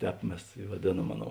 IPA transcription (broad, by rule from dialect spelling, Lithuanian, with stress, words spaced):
ˈtʲɛːp ˈmʲɛs ɪ ʋɐˈdʲeːˌnuɔm ˈɑːˌnoːʊ